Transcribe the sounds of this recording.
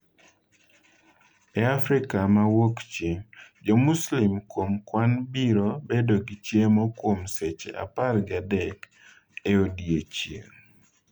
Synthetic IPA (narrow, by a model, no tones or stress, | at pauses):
ɛafɾikamawokt͡ʃed͡ʒɔmuslɪmkwomkwanbiɾobedoɡit͡ʃjemɔkwomset͡ʃḛʔa̰parɡɪadɛk | eodiet͡ʃjḛŋ